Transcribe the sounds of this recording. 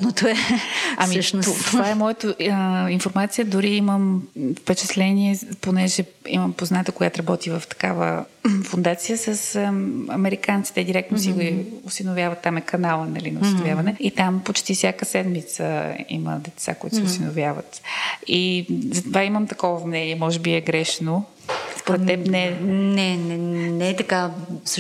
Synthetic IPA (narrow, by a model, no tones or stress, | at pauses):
not̪ɛɐmiʃt̪ovaɛmɔjɛt̪oinfoɾmat̪sijəd̪ʊɾiiməmfpɛt͡ʃɛt̪lɛniɛponɛʒɛ | ḭməmpoznat̪əkoɡjat̪ɾɐbɔt̪ivəft̪ɐ̥kavə̰fʊnd̪at̪sijəsəsɐ̰mɛɾikant̪si̥t̪ɛd̪iɾɛk̚t̪nosiɡiʊsinovʲjavɐt̪ːamɛkɐnalˠənɐlinɐʊsiovjavənɛit̪ampot͡ʃt̪ifsʲjakəsɛd̪mit̪sə̰ḭmə̰d̪ɛt̪sa̰koʊit̪o̥sɛʊsinovʲjavə̰t̪izɐt̪ovaiməmt̪ɐkɔvəmnɛniɛmɔʒɛbiɛɡɾɛʃno | spoɾɛɛpnɛnɛnɛnɛɛt̪ɐkas